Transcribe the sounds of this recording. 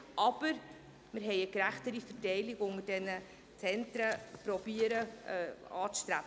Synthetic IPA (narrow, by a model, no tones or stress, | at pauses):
ʔɑb̥əɾ | mɪɾɦɛɪəkɾæχtəɾifətɛɪlɪɡʊŋəd̥ɛnə | t͡sɛntɾəpɾɔb̥iəɾə | ɑ̰ːt͡sʃtɾæbə